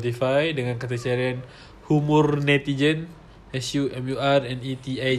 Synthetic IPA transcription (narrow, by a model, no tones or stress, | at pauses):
t̪ifajdəŋankat̪at͡ʃaɾian | humʊrnɛt̪id͡ʒən | ɛsjuʔɛmuarɛnit̪ia